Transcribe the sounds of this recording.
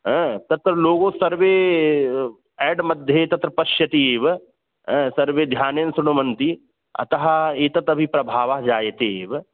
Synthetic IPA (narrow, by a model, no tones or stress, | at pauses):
ɦɛ̃t̪ɐt̪ɾɐloːɡõsɐɾʋe | ɛːɖmɐd̪ʱjet̪ɐt̪ɾɐpɐʃjɐt̪iʋ | ɦɛ̃sɐɾʋed̪ʱjaːnjɐnsʊɽ̃ɐmɐ̃nt̪i | ɐ̰t̪ɐɦaeːt̪ɐt̪ɐbʱipɾɐbʱaːʋaɦd͡ʒaːjɐt̪eːʋ